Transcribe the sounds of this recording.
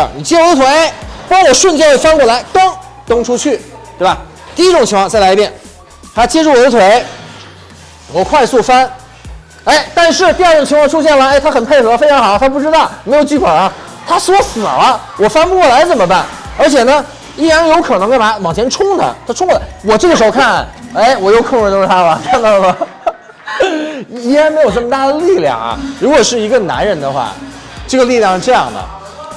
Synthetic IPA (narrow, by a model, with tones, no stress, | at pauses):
ni˨˩t͡ɕjɛ˥wɔ˨˩d̪ə˧t̪ʰwe˧˥˦ɪe˥˩ɪpɑ˥ŋwɔ˨˩ʂwə˥˩nt͡ɕjɛ˥nxfa˥nkwɔ˥˩la˧˥ɪt̪ɤ˥ŋ | t̪ɤ˥ŋʈ͡ʂʰu˥t͡ɕʰy˥˩tt̪we˥˩ba˨˩ | t̪i˥˧i˥ʈ͡ʂʊ˨˩ŋt͡ɕʰi˧˥ŋkʰwɑ˥˧t͡sa˥˩la˧˥ɪ˧pjɛ˨˩˦n | t̪ʰa˥t͡ɕjɛ˥ʈ͡ʂu˥˩wɔ˨˩d̪ə˧t̪ʰwe˧˥ɪ | wɔ˨˩kʰwa˥˧ɪsu˥˩fa˥n | e˥˩ɪt̪a˥˧nʂɻ̩˥˧t̪i˞˥˧˥ʈ͡ʂʊ˨˩ŋt͡ɕʰi˧˥ŋkʰwɑ˥˧ʈ͡ʂʰu˥ɕ̬jɛ˥˩nlə˩e˥˩t̪ʰa˥xə˨˩npʰe˥˩ɪxɤ˧˥fe˥ɪʈ͡ʂʰɑ˧˥ŋxɑ˨˩˦ʊ˧t̪ʰa˥pu˥˩ʈ͡ʂɻ̩˥t̪ɑ˥˩ʊme˧˥ɪjo˨˩ʊt͡ɕy˥˩kwɔ˨˩ɐ˧˦ | t̪ʰa˥swɔ˥sɹ̩˨˩ɐ˦ | wɔ˨˩fa˥npu˥˧kwɔ˥˩la˧˥ɪt͡sə˨˩nmə˦pa˥˩nə˞˧˥t͡ɕʰjɛ˨˩nə˦ | i˥˩ɻa˧˥njo˧˥ʊkʰɤ˨˩nɤ˧˥ŋkə˥˩a˧˥wɑ˨˩ŋt͡ɕʰjɛ˧˥nʈ͡ʂʰʊ˥ŋd̪ə̰˨t̪ʰa˥ʈ͡ʂʰʊ˥ŋd̪ə˨˩wɔ˨˩ʈ͡ʂɤ˥˩ɡəʂɻ̩˧˥xo˧kʰa˥˩ne˥˩ɪwɔ˨˩jo˧˥ʊkʰə˧˥ŋʰ˧˩˧a˥bɐ˨˩kʰa˥˧nt̪ɑ˥˩ə˧˩ | i˧˥˧a˧˥nme˧˥ɪjo˨˩ʈ͡ʂə˥˩mə˧t̪a˥˩d̪ə˩li˥˩˧ljɑ̰˥˩ŋɐ̰˩ɻu˧˥kwɔ˨˩ʂɻ̩˥˩i˧˥ɡə˧na̰˧˥nɻə˧˥nd̪ə˧xwa̰˥˩ | ʈ͡ʂɤ˥˩ɡə˩li˥˧ljɑ˥˧ŋʂɻ̩˥˧ʈ͡ʂɤ˥˧jɑ̰˥˩ŋd̪ə̰˩